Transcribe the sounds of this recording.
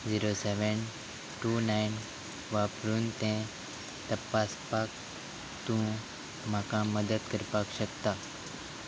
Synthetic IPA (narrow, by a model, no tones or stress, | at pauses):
d͡ziɾoseʋən | ʈunajn | ʋapɾuːnt̪ẽ | t̪əpːaspak̚ | t̪ũ | m̤akaməd̪ət̪kəɾpakɕəkt̪a